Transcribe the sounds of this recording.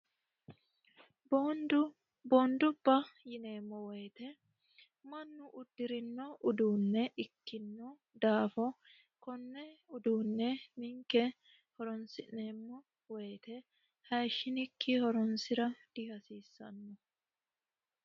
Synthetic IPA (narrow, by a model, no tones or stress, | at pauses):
bd | boːnd̪ʊbːɐjɪne̞ːmːɔweːt̪ɛ | mɐnːʊʔʊd̪ːɪɾɪnːɔʔʊd̪uːnːɛʔɪkːɪnːɔ | d̪aːfɔ | kɔnːɛʊd̪uːnːɛmɪŋkɛ | hɔɾɔnsɪnːeːmːɔ | wejt̪ɛ | hɐjʃːɪnɪkːɪhɔɾɔnsɪɾɐd̪̥ɪhɐsiːsːɐ̰nːɔ